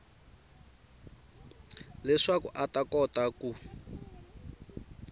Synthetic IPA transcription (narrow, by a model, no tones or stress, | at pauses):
lɛʂakṵʔatakɔtaku